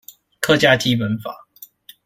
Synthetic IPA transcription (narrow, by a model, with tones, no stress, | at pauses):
kʰɤ˥˧t͡ɕja˥t͡ɕi˥pə˨˥nfa̰˨˩˦